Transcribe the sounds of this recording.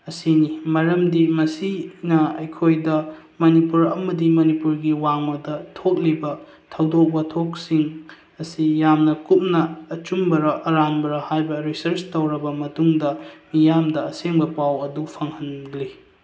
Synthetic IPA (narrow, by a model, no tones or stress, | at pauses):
ɐsinimɐɾɐmdimɐsinɐɐjkʰojdɐ | mɐnipuɾɐ̰mɐdimɐnipuɾɡiwaŋmɐdɐtʰok̚libɐ | tʰɐwdok̚bɐtʰok̚siŋ | ɐsijamnɐkup̚nɐːt͡ʃumbɐɾɐʔɐɾanbɐɾɐhajbɐɾisɐɾt͡ʃtɐwɾɐbɐmɐtuŋdɐmijamdɐɐseŋbɐpawɐdupʰɐŋhɐnɡli